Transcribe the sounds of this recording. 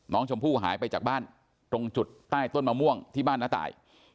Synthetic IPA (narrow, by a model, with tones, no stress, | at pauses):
nɔː˦˥ŋt͡ɕʰo˧mpʰuː˥˩ɦaː˩˦jpa˧jt͡ɕaː˨˩baː˥˩n | t̪ɾo˧ŋt͡ɕu˨˩t̪̚ːaː˥˩jt̪o˥˩nmaː˧mu˥˩əŋt̪ʰiː˥˩baː˥˩nːaː˧˥˩t̪a̰ː˨˩j